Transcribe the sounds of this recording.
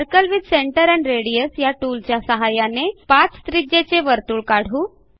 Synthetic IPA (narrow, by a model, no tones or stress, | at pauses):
əɾkəlʋid̪seɳʈəɾæɳɾeɽijəsjaʈult͡ɕjasəɦajanepat͡sst̪ɾid͡ʑet͡seʋəɾt̪uːɭkaɽ̤uː